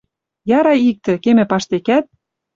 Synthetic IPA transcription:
jɑɾɑik̚t̪ĕkemĕpɑʃt̪ekæt̪̚

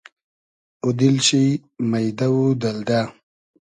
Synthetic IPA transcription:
ud̪ilɕimajd̪awud̪ald̪a

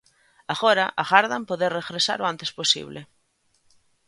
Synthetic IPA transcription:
aɣoɾaʔaɣaɾðampoðeɾreɣɾesa̰ɾoant̪e̥sposḭβle

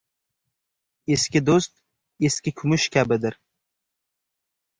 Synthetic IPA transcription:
eskʲɪd̪ost̪̚ | eskʲɪkʲʰʊmʊʃkʲʰabɪd̪ɪɾ

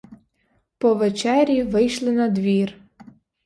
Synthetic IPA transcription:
pɔʋet͡ʃɛɾʲiʋɪjʃlˠɪnɐd̪ʋʲir

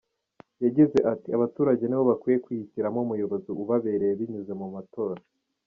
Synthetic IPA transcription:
jaɟize̞ʔatiaβatuːɾaɟe̞niβo̞βakwiːje̞kwihiciɾamomujoβoziʔuβaβe̞ɾe̞jeβiɲuze̞mumato̞ːɾa

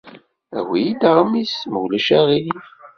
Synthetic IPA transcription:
æ̰wijid̪əɾˤmisməwlæʃæʁilif

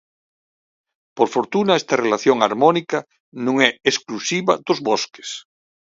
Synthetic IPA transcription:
poɾfoɾt̪unaɛst̪ɐrelaθjoŋaɾmɔnikɐ | nũŋɛesklusiβɐ̰d̪ʊzβoske̥s

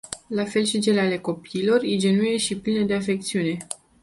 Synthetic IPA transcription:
lafe̞lʃit͡ʃe̞leale̞ko̞piːlo̞rid͡ʒe̞nuje̞ʃiplined̪e̞afe̞k̚t̪siune̞

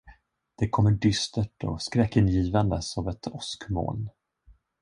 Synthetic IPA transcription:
d̪̥ɛkʰɔmːəɖʏst̪əʈɔ̰skɾɛkːɪnjiːvand̪əsɔvɛt̪ʰɔskmo̰ːn

